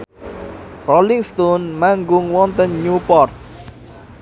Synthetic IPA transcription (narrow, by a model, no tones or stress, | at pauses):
rɔliŋst̪ɔnmaŋɡʊŋwɔnt̪ənɲupɔrt̪̚